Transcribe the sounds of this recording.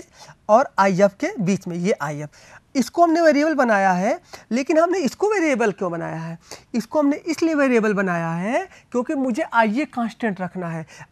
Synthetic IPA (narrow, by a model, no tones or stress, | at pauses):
d͡ʒɔːɾaːiəpkebiːt͡ʃmẽjeʔaːiəp | ɪskoɦɐmneʋeːɾiebəlbɐnaːjaɦɛleːkɪnɦɐmneɪskoʋeːɾiebəlkjõːbɐna̰ːjaɦɛːɪskoɦɐmneʔɪslieʋeːɾiebəlbɐnaːjaɦɛkjõːkimʊd͡ʒʱeʔaːijekãːsʈẽɳʈɾɐkʰnaɦɛː